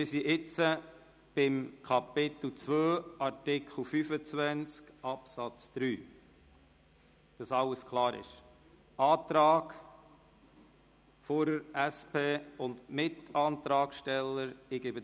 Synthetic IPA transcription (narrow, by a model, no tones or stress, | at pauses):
mɪsiʔɪt͡sə | b̥ɪmkʰɑpɪt̪l̩t͡sʋøːʔɑɾtɪkχl̩fyfət͡sʋænt͡skʔɑpsɑt͡sd̪̥ɾyː | d̥ɑsɑlːəskʰlˠɑːɾɪ̰ʃ | ɑːt̪ɾɑːɡ | fɔɾəɾæspʰeːʊndmɪtɑːnt̪ɾɑːkʃtɛlːəɾɪɡɪbə